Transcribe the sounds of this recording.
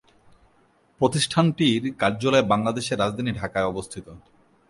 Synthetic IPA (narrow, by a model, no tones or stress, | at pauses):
pɾot̪iʃʈʰanʈiɾkaɾd͡ʑolɔebaŋlad̪eʃeɾːad͡ʑd̪ʱaniɖʱakaeɔbost̪ʰit̪o